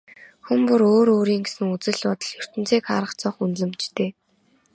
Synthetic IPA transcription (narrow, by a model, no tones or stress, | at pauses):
xumpɵɾoːɾoːɾiːŋɡesɘ̆ŋut͡sɘ̆ɮpɔt̪ɞ̆ɮjɵr̥t̪ɘ̆n̥t͡sʰiːkχaɾə̆χt͡sɔːχunɮɘ̆mt͡ɕt̪ʰeː